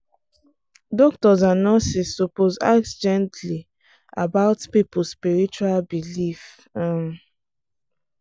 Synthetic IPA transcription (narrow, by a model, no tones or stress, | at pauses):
dɔk̚tɔzanɔsisːupoza̰k̚sd͡ʒɛ̃ntʰli | abaʊtpipʊlspiɹit͡ʃualbilif